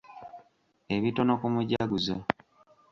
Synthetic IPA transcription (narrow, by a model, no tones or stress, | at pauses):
eβitonokumuɟaɡuzo